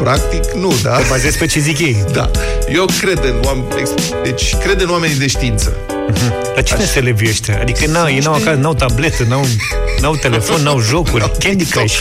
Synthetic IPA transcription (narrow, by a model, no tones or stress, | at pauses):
pɾak̚t̪iknud̪aəbazezpet͡ʃezikʲjejd̪a̰ | jewkɾed̪ɨnwam | ḛks | d̪et͡ʃʲkɾe̞d̪ɨnwame̞nid̪e̞ʃt̪iint̪sə̰ | ɦm̩ | lat͡ʃeneselevjeʃt̪ea̰d̪ikənawjejnawakaznawt̪able̞t̪ənaw | nawt̪e̞le̞fo̞nːawʒo̞kurʲkʲed̪ikaʃ